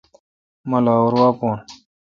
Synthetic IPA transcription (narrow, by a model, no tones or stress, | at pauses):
mɐlaːuɾwaːpoːn